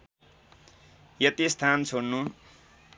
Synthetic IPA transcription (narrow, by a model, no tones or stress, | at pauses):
jʌt̪ist̪ʰant͡sʰoɽnu